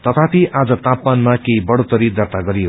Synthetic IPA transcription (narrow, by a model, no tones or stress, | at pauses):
t̪ʌt̪ʰapʰiad͡zʌt̪apːanmakeibʌɽot̪ʌɾid̪ʌrt̪aɡʌɾijo